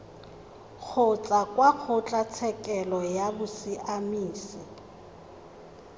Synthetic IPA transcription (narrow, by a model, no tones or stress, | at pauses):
k͡xʰʊt͡ɬʼakʼwak͡xʰʊt͡ɬʼat͡sʰɛkʼɛlɔjabʊsɪʔamiːsɪ